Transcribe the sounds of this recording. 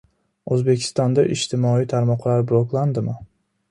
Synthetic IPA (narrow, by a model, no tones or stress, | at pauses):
ɵzbe̞kʲʰɪ̥st̪ɒnd̪aʔɪʃt̪ʰɪmɒijt̪ʰaɾmɒqlˠaɾbɾˠoklˠand̪ɪmɪ